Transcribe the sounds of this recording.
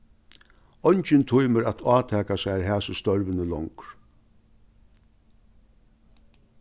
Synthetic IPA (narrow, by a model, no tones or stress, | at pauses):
ɔjɲt͡ʃɪnt̪ʰujməɾat̪ʰaːt̪ʰæːkasajɾɦæːsəst̪ɔɾvənəlɔŋkɾ